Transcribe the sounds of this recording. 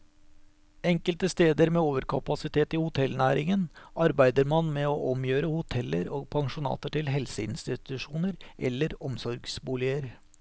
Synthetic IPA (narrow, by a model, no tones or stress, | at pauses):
ɛŋkəlt̪əst̪eːd̪əɾmeːoːʋəɾkʰɑpɑsɪt̪ʰeːt̪ihʊt̪ʰɛlnæːɾɪŋənɑɾbæɪd̪əɾmɑnmeoːʔɔmjøːɾəhʊt̪ʰɛlːə̰ɾoːɡ̚pʰɑŋʂʊnɑ̰ːt̪əʈɪlɦɛlsəɪnst̪ɪt̪ʉʂuːnəɾʔɛ̰lːəɾɔmsɔɾɡsbuːlɪəɾ